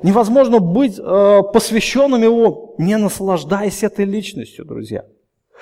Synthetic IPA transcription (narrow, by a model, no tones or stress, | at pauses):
nʲɪvɐzmo̞ʐnəbɨtʲəpəsvʲɪɕːo̞nːɨmjɪvonʲɪnəslˠɐʐd̪ajəsʲɛt̪əjlʲit͡ɕnəsʲtʲjʊd̪ɾʊ̰zʲja̰